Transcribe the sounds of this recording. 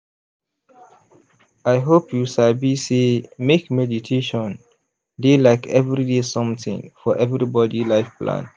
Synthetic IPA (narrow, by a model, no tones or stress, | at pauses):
aɪɦopʰjuʃalbisemekmɛditʰeʃɔ̃n | delaɪkʰɛvɹidesɔ̃mtḭ̃ŋfɔʔɛvɹibɔdilaɪfplã̰n